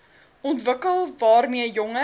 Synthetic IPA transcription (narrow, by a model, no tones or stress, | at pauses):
ɔntvəkəlˠvɑːrmiəjɔŋə